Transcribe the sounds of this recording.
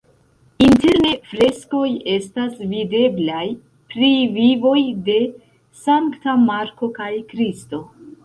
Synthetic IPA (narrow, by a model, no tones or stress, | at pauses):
inte̞ɾne̞fɾe̞sko̞je̞stasvide̞blaj | pɾivivo̞jde̞ | saŋktamaɾko̞kajkɾisto̞